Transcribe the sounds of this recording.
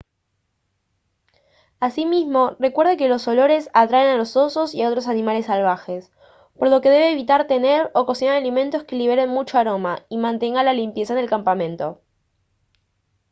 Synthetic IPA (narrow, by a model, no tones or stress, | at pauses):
asimizmo̞re̞kwe̞ɾðeke̞lo̞so̞lo̞ɾe̞sat̪ɾaenalo̞so̞so̞siao̞t̪ɾos̬anĩmale̞sːalβ̞axes | po̞ɾlo̞ke̞ðe̞βe̞ːβit̪aɾt̪e̞ne̞ɾoko̞sinaɾalimẽ̞nt̪o̞ske̞liβ̞e̞ɾenmut͡ʃoaɾo̞maimãnt̪e̞ŋɡalalimpje̞saene̞lkampamẽ̞nt̪o̞